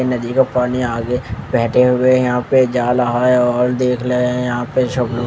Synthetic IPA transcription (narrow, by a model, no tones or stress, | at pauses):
nɐd̪ikapaːniaːɡebɛːʈʰeɦʊwejɐɦãped͡ʒaːlaɦaeɔːld̪eːkʰlejɐɦãpeʃobl